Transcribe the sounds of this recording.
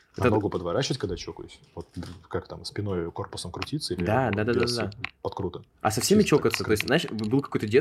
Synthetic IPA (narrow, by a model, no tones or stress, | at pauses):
ɛəd̪oɡʊpəd̪vɐɾat͡ɕɪvətʲkɐɡ̚d̪at͡ɕokʊjʊsʲvot̪̚d̪kakt̪amspʲɪnojʊko̞rpʊ̥səmkɾʊtʲit̪səilʲd̪ad̪ad̪ad̪ad̪ad̪apɐt̪kɾut̪ə | ɐ̰sɐfsʲemʲɪt͡ɕo̞kət̪sət̪o̞sʲt̪ʲznaɪʂbɨlˠkɐkojt̪ədʲe